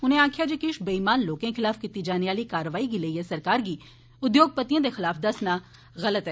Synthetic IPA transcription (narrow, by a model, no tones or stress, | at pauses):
ʊnẽãːkʰjad͡ʒekɪʃbɐimaːnloːkẽxʰɪlaːfkit̪id͡ʒaːneʋaːlikaːɾəʋaːikilɐijɛsɐɾkaːɾɡi | ʊd̪joːɡ̚pət̪ijõd̪exɪlaːfd̪ɐsna | ɣɐlət̪ɦɛ